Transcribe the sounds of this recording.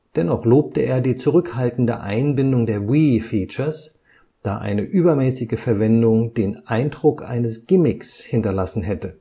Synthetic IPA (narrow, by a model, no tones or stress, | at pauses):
d̥ɛnɔχloːp̚təʔeːɐdiːt͡suʁʏkhaltn̩də̰ʔa̰ɪnbɪndʊŋdeːɐwifiːt͡ʃɐs | d̥aːʔa̰ɪnəʔyːbɐmɛːsɪɡəfɛɐvɛndʊŋd̥eːnʔaɪndʁʊkʔa̰ɪnəsɡ̥ɪmɪkshɪntɐlasn̩ɦɛtə